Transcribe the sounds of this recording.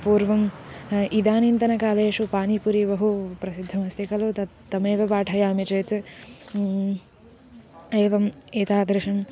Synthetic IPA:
puːɾʋɐmʔid̪aːnint̪ɐnɐkaːleːʂupaːnipuɾibɐɦupɾɐsid̪ʱːɐmɐst̪ikɐlut̪ɐ | t̪ːɐmeːʋɐbaːʈʰɐjaːmit͡ʃeːt̪ | eːʋɐmeːt̪aːd̪ɾɪʂɐm

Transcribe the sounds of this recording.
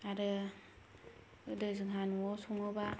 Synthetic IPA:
aɾɯ | ɯdɯzɯŋɦanuɔsɔŋɯba

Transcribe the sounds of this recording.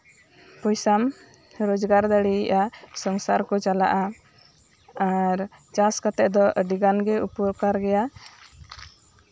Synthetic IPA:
pɔjsam | ɾod͡ʒɡaɾd̪əɽiʔasɔŋsaɾkɔt͡ʃala̰ʔa | aɾt͡ʃaskat̪ɛʔd̪ɔʔɖiɡanɡɛupɔɾkaɾɡɛja

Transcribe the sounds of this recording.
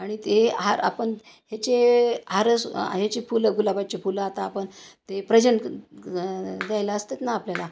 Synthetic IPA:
aɽ̃it̪eɦaɾa̰pəɳ | ɦet͡ɕeɦaɾəsɦet͡ɕefuləɡulabat͡ɕefuləat̪aːpəɳt̪epɾəd͡ʑəɳ | d̪jajlaəst̪et̪naːpljala

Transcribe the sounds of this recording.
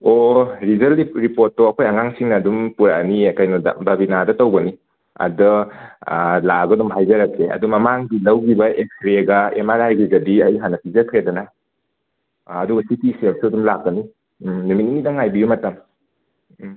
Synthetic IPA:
oɾizɐliɾipoɾtːoɐkʰojɐŋaŋsiŋnɐːdumpuɾaniɐkajnud̰bɐbinadɐtowbɐni | ɐ̰dɯ | laɡɐdumɦajzɐɾɐkeɐ̰dumɐmaŋɡilɐwɡibɐeksɾeɡɐemaɾajɡizɐdiɐjɦanɐpʰizɐɾkʰɾedɐna | duɡɐsitiselsuɐdumlak̚ːɐni | numit̚ninidɐŋajbijumɐtɐm

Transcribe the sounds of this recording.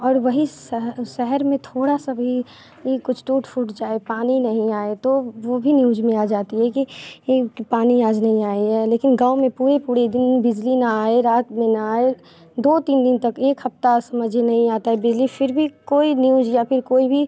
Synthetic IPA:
ɔːɾʋɐɦisɦʃɛɦəɾmẽt̪ʰoːɽasaʋi | ikʊt͡ʃʰʈuːʈfʰuːʈd͡ʒaːepaːninɐɦĩaːet̪oʋobʱinjuːd͡ʒmẽaːd͡ʒaːt̪iɦɛkiː | paːnijaːd͡ʒnɐɦĩaːiɦɛːleːkɪnɡaːomẽpuːɾepuːɾed̪ɪnbɪd͡ʒlinaaːeɾaːt̪mẽnaaːe | d̪oːt̪iːnd̪ɪnt̪ɐkeːkɦɐpt̪asɐməd͡ʒʱenɐɦĩaːt̪aɦɛbɪd͡ʒlifʰɪɾbʱikoːinjuːd͡ʒjapʰɪɾkoːibʱi

